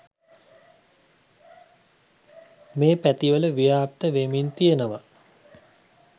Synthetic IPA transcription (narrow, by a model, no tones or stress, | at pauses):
meːpæt̪iʋələʋijaːp̚t̪əʋemint̪ijənəʋa